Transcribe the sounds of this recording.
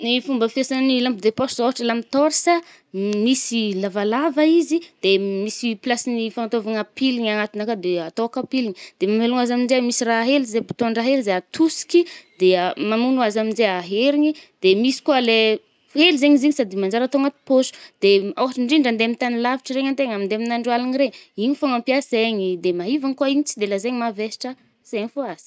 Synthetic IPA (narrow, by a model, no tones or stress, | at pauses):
nifumbəfiesannilambud̪eposuzawɦaʈ͡ʂəlamit̪oɾsa | misilavalavəizid̪̥emisiplasinifant̪ovaŋapiliɲanat̪inakad̪eat̪okapiliɲid̪̥emameluŋazaminzemisiraɦɦelizebu̥t̪onɖ͡ʐaɦelizeat̪usi̥kʲid̪̥eamamunuazamind͡ʒeaɦeɾiɲid̪̥emisi̥kuale | elizeɲiziɲisad̪imand͡ʒaɾat̪oŋat̪i̥posu̥d̪̥eawaʈ͡ʂiɳɖ͡ʐiɳɖ͡ʐand̪eamit̪anilaviʈ͡ʂiɾeɲant̪eŋamind̪eaminaɳɖ͡ʐwalaniɾeɲiɲifoŋampiaseɲid̪emaɦivaŋikuaiɲit͡si̥d̪elazeɲimavesi̥ʈ͡ʂə | z̥eɲifoaz̥i̥